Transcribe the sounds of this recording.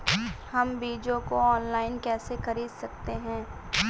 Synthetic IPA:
hɐmbiːd͡ʒõkoɔːnlaːɪnkɛːsexɐɾiːd̪sɐk̚t̪eɦɛ̃ː

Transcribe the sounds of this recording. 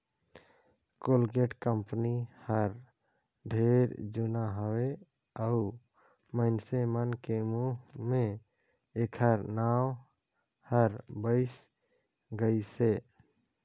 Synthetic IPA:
koːlɡeʈkəmpnihəɾ | ɖʱeːɾd͡ʒʊnaɦəwe | əʊ | məɪnsemənkemuɦmẽ | eːkʰəɾnaːw | həɾbəɪs | ɡəiseː

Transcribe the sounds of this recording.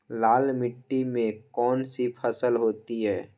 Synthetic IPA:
laːlmɪʈːimẽkɔːnsipʰəsəlɦoːt̪iɦɛː

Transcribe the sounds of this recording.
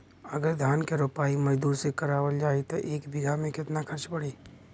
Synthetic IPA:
ɐɡəɾd̪ʱjaːnkeɾoːpaːimɐd͡ʒd̪uːɾsekɐɾaːwəld͡ʒaːet̪oʔeːkbɪɡʱamẽkɪt̪nakʰɐɾt͡ʃpɐɽeː

